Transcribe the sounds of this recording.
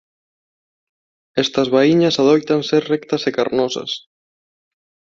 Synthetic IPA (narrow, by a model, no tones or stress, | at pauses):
ɛst̪ɐzβaiɲɐsaðɔjt̪anseɾrɛkt̪ɐsekaɾnɔsɐ̰s